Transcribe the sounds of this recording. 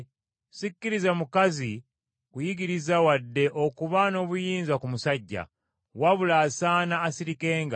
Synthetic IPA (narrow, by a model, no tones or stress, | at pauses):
sikːiɾizamukazi | kujiɡiɾizawadːe̞ʔokuβano̞ːβujiːnzakumusaɟːa̰ | waβulaːsaːnaːsiɾike̞ːŋɡa